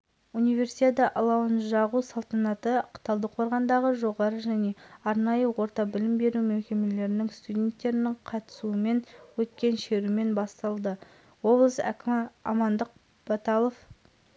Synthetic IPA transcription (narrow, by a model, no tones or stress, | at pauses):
unijve̞ɾsit̪ʲet̪ɑʔɑlˠɑwənʒɑʁusɑlˠt̪ɑnɑt̪əqʰt̪ɑlˠd̪əqʰo̞ɾʁɑnd̪ɑʁəʒo̞ʁɑɾəʒæne̞ɑɾnɑjəwo̞ɾt̪ɑbɪlɪmbe̞ɾumemkʲe̞me̞le̞ɾɪnɪŋst̪udʲe̞nt̪ːe̞ɾɪnɪɴqʰɑt̪ə̥suəme̞nwɵt̪kʲe̞nʃe̞ɾume̞nbɑst̪ɑlˠd̪ə | wo̞blˠəsæ̰kʲɪmɑ̰mɑnd̪əq̚ | b̥ɑt̪ɑlˠov